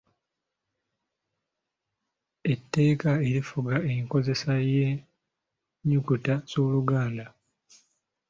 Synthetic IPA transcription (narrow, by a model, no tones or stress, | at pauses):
e̞tːe̞ːkae̞ɾifuɡaeŋko̞ze̞saje | ɲukutasuluɡaːnda